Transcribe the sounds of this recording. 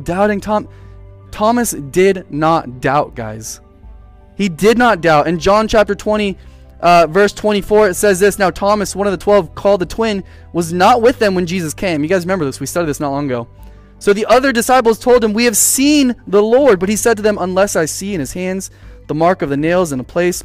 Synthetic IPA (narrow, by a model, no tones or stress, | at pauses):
daʊɾɪ̃ŋtʰɑmtʰɑmɨsd̥ɪdⁿnət̚d̥aʊt̚ɡ̥a̰ɪz̥ | hidɪdⁿnət̚d̥aʊɾɨ̃nd͡ʒɑ̃nt͡ʃʰæp̚tə˞tʰw̥ɛ̃ɾ̃i | ʔvɜ˞stʰw̥ɛ̃ɾ̃ifɔɹsɛzðɪsnaʊtʰɑmɨswʌ̃nʌvðɨtʰw̥ɛlˠv̥kʰɔlˠd̪̚ðɨtʰw̥ɪ̃n | wʌznət̚wɪðɨ̃mwɨ̃nd͡ʒizɨskʰẽɪ̃mjɨɡaɪzɹɨmɛ̃mbə˞ðɪswistɑɾid̪ðɪsnət̚ˡlɑ̃ŋɡoʊ | soʊðiʔʌðə˞dɨsaɪp̬l̩ˠz̥tʰoʊlˠd̚ɨ̃mwiɨv̥sĩnðəlɔɹd̚bʌt̚hisɛd̚tɨðɨ̃mə̃nlɛsaɪsiɨ̃ñɨz̥hæ̃ndz̥ðəmɑɹkʌvðɨneɪlˠzɨ̃nəpʰl̥eɪs